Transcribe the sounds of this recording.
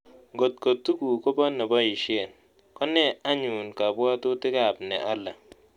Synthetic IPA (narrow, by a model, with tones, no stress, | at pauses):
ŋɡo˨t̚ko˨tːu˦ku˨kɔ˦bɔ˦nɔ˨bɔ˦i˨ʃe˦˨n | kɔ˦nɛ˦a˦ɲu˨nka˨bwɔ˦tʊ˦tɪ˦ka˨pnɛ̰˨ʔa˦la˨